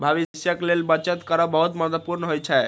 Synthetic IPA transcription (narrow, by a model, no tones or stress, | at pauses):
bʱaβiisjaklelbət͡ʃet̪kɔɾɔbɔɦut̪mət̪əpuɾnɦojt͡ʃʰɛ